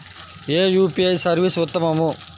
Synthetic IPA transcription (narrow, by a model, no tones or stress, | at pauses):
eːjuːpiɐjsɐɾʋisʊt̪ːɐmɐmu